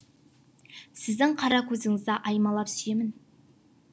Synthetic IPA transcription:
sɪzd̪ɪŋqʰɑɾɑkʲʰɵzɪŋɪzd̪ɑʔɑjmɑlˠɑpsʏje̞mɪn

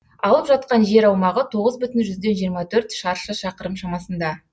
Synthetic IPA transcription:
ɑlˠəpʒɑt̪̚qɑnʒe̞ɾɑwmɑʁət̪ʰo̞ʁəzbʏt̪ɪnʒʏzd̪e̞nʒijəɾmɑt̪ʰɵɾt̪ʃɑɾʃəʃɑqəɾəmʃɑmɑsənd̪ɑ

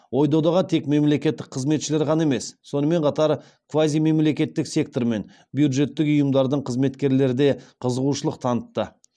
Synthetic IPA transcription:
wo̞jd̪od̪ɑʁɑt̪ʰe̞kme̞mle̞kʲe̞t̪ːɪk̚qʰəzme̞t̪ʃɪle̞ɾqʰɑnɑae̞me̞sːo̞nəme̞ɴqʰɑt̪ɑɾ | kʰvazijme̞mle̞kʲe̞t̪ːɪksʲe̞k̚t̪o̞ɾme̞n | bjud̪ʒe̞t̪ːɪkʊjəmd̪ɑɾd̪əɴqʰəzme̞t̪kʲe̞ɾle̞ɾɪd̪e̞qʰəzəʁuʃəlˠəq̚t̪ʰɑnət̪ːə

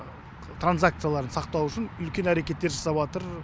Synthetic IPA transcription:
t̪ʰranzak̚t̪sɨjalˠɑɾənsɑq̚t̪ɑwʏʃɪnʏlkʲe̞næɾe̞kʲe̞t̪ːe̞ɾʒɑsɑbɑt̪əɾ

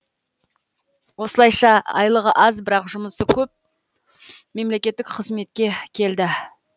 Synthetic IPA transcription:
wo̞səlˠɑjʃɑɑ̰jlˠəʁəʔɑzbɪɾɑqʒʊməsəkʲʰɵp̚ | me̞mle̞kʲe̞t̪ːɪkqʰəzme̞t̪̚kʲe̞kʲʰe̞ld̪ɪ

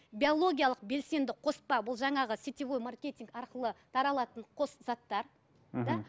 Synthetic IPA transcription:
bijo̞lˠo̞ɡʲijɑlˠəq̚be̞lse̞nd̪ɪqʰo̞spɑbʊlˠʒɑɴɑʁəsit̪ʲivojmarkʲe̞t̪ʲiŋkɑɾqəlˠət̪ʰɑɾɑlˠɑt̪əɴqʰo̞szɑt̪ːɑɾ | d̪ɑ

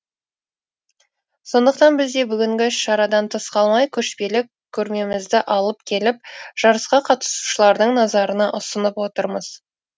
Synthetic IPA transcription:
so̞nd̪əq̚t̪ɑnbɪzd̪e̞bʏɡʲɪŋɡʲɪʃɑɾɑd̪ɑnt̪ʰəsqɑlˠmɑjkʲʰɵʃpe̞lɪk | kʲʰːɵɾme̞mɪzd̪ɪʔɑlˠəpkʲʰe̞lɪp̚ʒ̥ɑɾəsqɑqʰɑt̪ə̥su̥ʃəlˠɑɾd̪əɴnɑzɑɾənɑʔʊsənəpwo̞t̪əɾməz̥

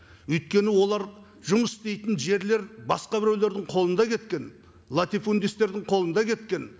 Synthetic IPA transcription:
ɵjt̪̚kʲe̞nɪwo̞lˠɑɾ | ʒʊməsst̪e̞jt̪ɪnʒe̞ɾle̞ɾbɑsqɑbɪɾewle̞ɾd̪ɪɴqʰo̞lˠənd̪ɑkʲʰe̞t̪kʲe̞n | lˠat̪ifund̪ist̪e̞ɾd̪ɪŋqʰo̞lˠənd̪ɑkʲʰe̞t̪kʲe̞n

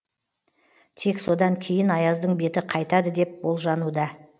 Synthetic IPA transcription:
t̪ʰe̞kso̞d̪ɑŋkʲʰe̞jɪnɑjɑzd̪əɴbe̞t̪ɪqʰɑjt̪ɑd̪əd̪e̞p̚bo̞lˠʒɑnud̪ɑ

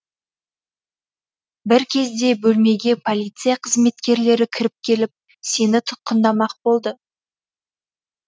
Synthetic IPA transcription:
bɪɾkʲʰe̞zd̪e̞bɵlme̞ɡʲe̞pʰolʲijt̪sɨjaqʰəzme̞t̪kʲe̞ɾle̞ɾɪkʲʰɪɾɪp̚kʲʰe̞lɪp̚ | se̞nɪt̪ʰʊ̥t̪̚qənd̪ɑmɑq̚bo̞lˠd̪ə

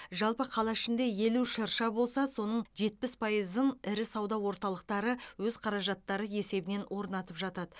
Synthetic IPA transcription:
ʒɑlˠpəqʰɑlˠɑɪʃɪnd̪e̞jeluʃɑɾʃɑbo̞lˠsɑso̞nəɴʒe̞t̪̚pɪspʰɑjəzənɪɾɪsɑwd̪ɑwo̞ɾt̪ɑlˠəq̚t̪ɑɾəwɵzqʰɑɾɑʒɑt̪ːɑɾəje̞se̞bɪne̞nwʔo̞ɾnɑt̪əpʒɑt̪ɑd̪ə

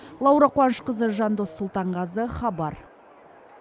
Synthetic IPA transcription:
lˠɑwɾɑqwɑnəʃqəzəʒɑnd̪osːulˠt̪ɑɴʁɑzəχɑbɑɾ

